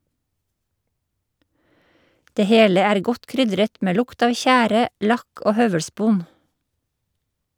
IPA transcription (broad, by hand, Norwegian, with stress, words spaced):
ˈdeː ˈheːlə ˈæːɾ ˈɡɔt ˈkɾʏdɾət ˈmeː ˈlʊkt ˈɑːʋ ˈçæːɾə ˈlɑk ˈoː ˈhœʋəɽˌspoːn